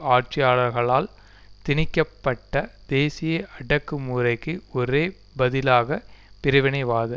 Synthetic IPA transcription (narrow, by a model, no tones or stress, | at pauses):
aːʈ̚t͡ʃɪjaːɭɐɾɣɐɭaːl | t̪ɪnɪkːɐpːɐʈːɐd̪eːsɪjɐɐɽɐkːɯmuːɾɐɪkːɯɔɾeː | bɐðɪlaːɣɐpɪɾɪʋɐnɐɪʋaːðɯ